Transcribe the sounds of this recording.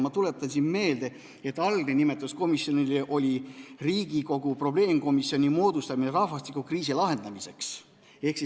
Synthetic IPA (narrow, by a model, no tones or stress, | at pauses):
mɑt̪ule̞t̪ːˑɑnʲsinme̞ːld̪e̞ | et̪ːˑɑlɡ̥nenime̞t̪ːˑusko̞misːjo̞nileʔo̞lʲiriːɡ̥iko̞ɡ̥upro̞b̥le̞ːmko̞misio̞nʲimo̞ːd̪ust̪ɑmineɾɑhvɑst̪ikːukriːs̬ilɑɦe̞nd̪̥ɑmise̞ks | e̞hksi